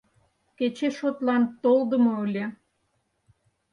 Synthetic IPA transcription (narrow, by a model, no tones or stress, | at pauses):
ket͡ɕeʃot̪lɑnt̪old̪ə̆moølʲe